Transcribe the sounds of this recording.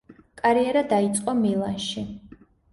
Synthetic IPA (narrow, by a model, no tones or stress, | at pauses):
kʼaɾiɛɾad̪ait̪sʼqʼɔmilˠa̰nʃi